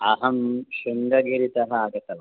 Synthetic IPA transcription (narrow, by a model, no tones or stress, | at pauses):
ɐɦɐmʃuŋɡɐɡiɾit̪ɐɦɐaɡɐt̪ɐʋɐ